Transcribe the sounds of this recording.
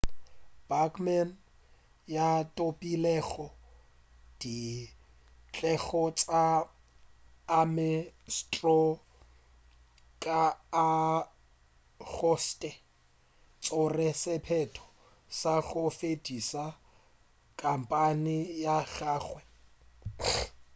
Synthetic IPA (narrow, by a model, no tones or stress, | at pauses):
b̥akʰʼman | jatʼopʼilɛɣɔ | d̥i | t͡ɬʼɛɣɔt͡sʼa | mɪstʼrɔ | kʼaː | ɣɔstʼɛ | t͡sʼʊrɛsɪpʰɛtʰɔ̥ | saɣʊfedisa | kʼam̩pʼanɪjaɣaːɣwɛ